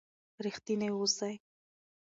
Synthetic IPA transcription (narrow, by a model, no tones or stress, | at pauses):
ɾixt̪ineosaj